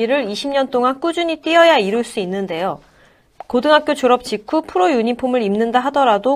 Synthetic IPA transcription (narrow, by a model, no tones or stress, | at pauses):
iɾɯɾiɕʰimɲʌnt͈oŋank͈ud͡ʑuɲit͈iʌjaiɾuɭs͈uinːɯnde̞jo | kodɯŋɦak͈jot͡ɕoɾʌp̚t͡ɕ͈ikʰupʰuɾojuɲipʰomɯɾimnɯndaɦadʌɾado